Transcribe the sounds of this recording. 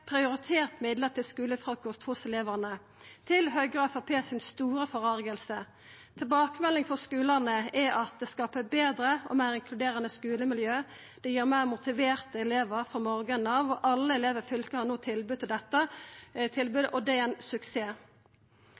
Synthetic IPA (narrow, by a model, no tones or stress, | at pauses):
pʰɾɪʊɾɪt̪ʰeːʁt̪mɪd̪lət̪ʰɪlskʉːləfʁɑkɔst̪hʊsɛleːʋənə | t̪ʰɪlɦœʏɡɾɑfɑpʰeːsɪnst̪uːɾəfɔʁɑɾɡəlsə | t̪ʰɪlbɑːkəmɛlːɪŋfɔʁskʉːlənəɛʔɑt̪̚d̪ɛskɑːpəbeːd̪ɾəɔ̰mæːɾɪŋkʰlʉd̪eːʁənəskʉːləmɪljøː | d̪̥ɛjiːɾmæːʁmʊt̪ɪʋeːʁt̪əɛleːʋəɾfɔmɔːɾɡənɑʋɔʔɑlːəɛleːʋəɾfʏlkəhɑnoːt̪ʰɪlbʉt̪ʰːɪld̪ɛt̪ːət̪ʰɪlbʉːd̪əʔɔd̪ɛɛnsʉkseː